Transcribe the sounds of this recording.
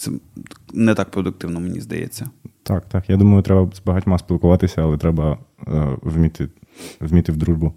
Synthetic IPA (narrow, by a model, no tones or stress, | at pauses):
t̪sɛ̰nɛt̪ak̚pɾɔd̪ʊk̚t̪ɪwnɔmenʲḭzd̪ɐ̰jɛ̰t͡sʲːɐt̪ɑkt̪ɑkjad̪umɐjʊt̪ɾɛbɐzbɐɦatʲmɑsʲpʲilˠkʊʋɑt̪ɪsʲɐɐlˠɛt̪ɾɛbɐ | ʋmʲit̪ɪʋmʲit̪ɪwd̪ɾuʒbʊ